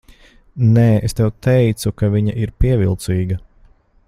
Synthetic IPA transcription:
nɛːest̪ɛwt̪ɛjt̪sukaviɲɐʔiɾpiɛvʲilˠt̪siːɡɐ

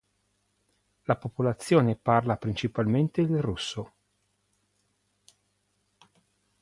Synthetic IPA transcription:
lapopolat̪sːjoːneparlapɾint͡ʃipalment̪ed̪elrusːo

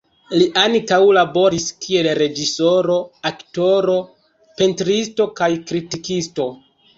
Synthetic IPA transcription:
liʔaŋkawlabo̞ɾiskʰie̞lɾe̞d͡ʒiso̞ɾo̞akto̞ɾo̞ | pe̞ntɾisto̞kajkɾitikisto̞

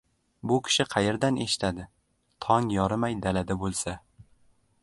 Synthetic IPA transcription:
bʊkʲʰɪ̥ʃɪqʰɑjeɾd̪anʔe̞ʃɪ̥t̪ʰad̪ɪ | t̪ʰɒŋjɒɾɪmajd̪alad̪abolˠsa

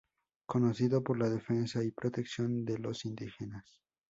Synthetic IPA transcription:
ko̞no̞siðo̞po̞ɾlaðe̞fe̞nsaipɾot̪e̞ksjo̞nd̪e̞lo̞sind̪ixenas

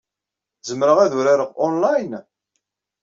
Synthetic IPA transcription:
zəmːɾəʁæðuɾaɾəʁɔnlajn

